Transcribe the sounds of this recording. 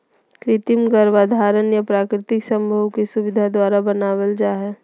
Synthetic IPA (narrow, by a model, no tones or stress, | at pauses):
kɾɪt̪imɡəɾʋaːd̪ʱaːɾənjapɾaːkɾɪt̪ɪksə̃mbʱəwkisuʋɪd̪ʱad̪waːɾabənaːwəld͡ʒaːɦɛ